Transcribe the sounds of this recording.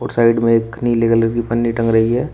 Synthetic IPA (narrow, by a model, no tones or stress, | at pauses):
ɔːɾsaːɪɖmẽeːkniːleːɡələɾkipɐnːiʈɐ̃ŋɡɾɐɦiɦɛː